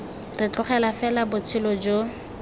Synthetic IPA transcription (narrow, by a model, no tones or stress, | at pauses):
rɪt͡ɬʊχɛlafɛlabʊt͡sʰɪlɔd͡ʒo